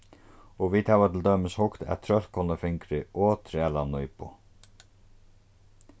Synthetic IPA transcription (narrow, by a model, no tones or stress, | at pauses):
ɔʋit̪havat̪ʰɪld̪œːmɪshʊkt̪ʰæ̰ðt̪ʰɾœl̥kʰɔnːafɪŋkɾɪɔːt̪ʰɾɪɛlanʊjpʊ̰